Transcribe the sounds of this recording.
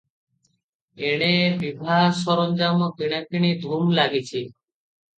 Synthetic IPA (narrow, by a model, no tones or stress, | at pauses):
eɽ̃ebibʱaɦʃɔɾond͡ʑamokiɽ̃akiɽ̃id̪ʱumlaɡit͡ɕʰi